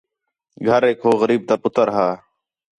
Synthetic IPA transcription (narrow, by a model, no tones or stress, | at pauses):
ɡʱəɾeːkɦoːɣəɾiːb̚t̪aːpʊt̪əɾɦaː